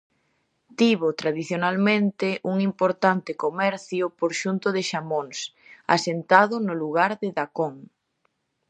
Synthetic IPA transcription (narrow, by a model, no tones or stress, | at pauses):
t̪iβʊt̪ɾaðiθjonalmẽnt̪ɪʔuŋimpoɾt̪ant̪ɪkomɛɾθjʊpoɾʃunt̪ʊðɪʃamoŋs | a̰sent̪aðʊnʊluɣ̞aɾðɪðakoŋ